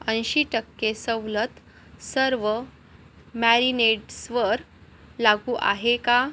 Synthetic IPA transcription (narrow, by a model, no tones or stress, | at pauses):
ənɕiʈəkːesəʋlət̪ | səɾʋə | mæɾineɖsʋəɾ | laɡuːʔa̰ɦeka